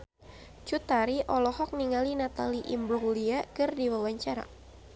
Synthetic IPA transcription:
t͡ʃut̪aɾiʔɔlɔhɔk̚niŋalinat̪aliʔimbɾɔliakɨrdiwawaɲt͡ʃaɾa̰

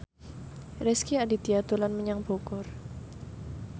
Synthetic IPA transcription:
rɛskiadit̪iat̪ulanməɲaŋb̥okʊr

